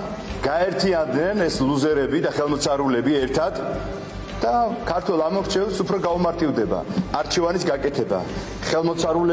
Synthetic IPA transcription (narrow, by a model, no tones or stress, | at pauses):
ɡ̥aɛɾt̪ʰiand̪nɛnɛsluzɛɾɛbid̪aχɛlˠmɔt̪sʰaɾulɛbiɛɾt̪ʰad̪̥ | d̪̥akʰaɾt̪ʰwɛlˠamɔɾt͡ʃʰɛlˠsupʰɾɔɡaumaɾt̪ʼivd̪ɛba̰aɾt͡ʃʰɛvanisɡakʼɛt̪ʰɛba̰ | χɛlˠmɔt̪sʰaɾulɛ